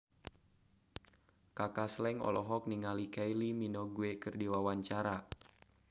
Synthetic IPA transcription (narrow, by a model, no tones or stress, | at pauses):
kakaslɛŋɔ̰lɔɦɔk̚niŋalikailiminɔɡuekɨrdiwawaɲt͡ʃaɾa